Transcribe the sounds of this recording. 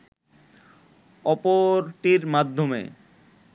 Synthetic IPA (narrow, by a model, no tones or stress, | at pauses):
ɔpoɾʈiɾmad̪ʱːomḛ